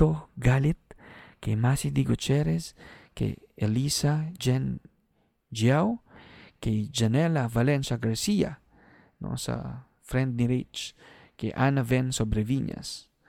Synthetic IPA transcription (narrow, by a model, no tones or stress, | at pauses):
t̪oɡalit̪̚kemasid̪iɡot͡ʃeɾeskḛelisad͡ʒen | d͡ʒjawkeid͡ʒanelavalensaɡaɾsia̰ | nõ̰sa̰ | fɾend̪niɾit͡ʃ | keʔanavensobɾeviɲa̰s